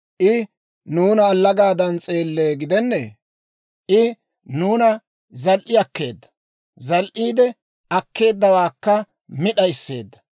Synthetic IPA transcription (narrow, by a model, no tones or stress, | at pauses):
ʔɪ | nuːnɐːlːɐɡaːd̪ɐnt͡sʼe̞ːlːeːɡɪd̪ɛnːḛ | ʔɪ | nuːnɐ | zɐlʔɪɐkːe̞ːd̪ːɐ̥ | zɐlʔiːd̪ɛ | ɐkːe̞ːd̪ːɐwaːkːɐ | mɪɗɐjsːe̞ːd̪ːɐ̥